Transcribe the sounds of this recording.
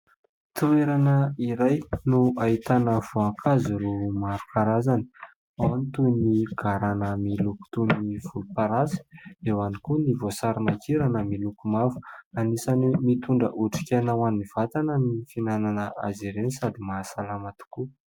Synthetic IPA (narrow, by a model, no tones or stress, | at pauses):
t̪ueɾanəiɾajnuait̪anəv̥uaŋkʰaziɾumaɾukaɾazani̥ | awnt̪uniɡ̥aɾanəmiluku̥t̪uniiv̥ulupaɾazi̥ewanikunivosaɾimakiɾanəmilukumafu̥anisanimit̪uɳɖ͡ʐə̰ʔuʈ͡ʂi̥kʲanawaniv̥at̪anənifinananəazeɾenisad̪imasalamat̪u̥ku